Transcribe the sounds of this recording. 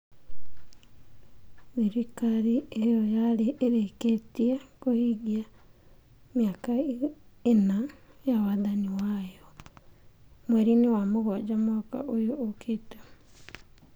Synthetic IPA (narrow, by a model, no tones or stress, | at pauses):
βiɾikaɾiejojaleʔːɾeketiakohiɣia | mjaka | enajawaðaniwajo | mweɾiniwamoɣɔd͡ʒamoka̰ʔojoːkʰeto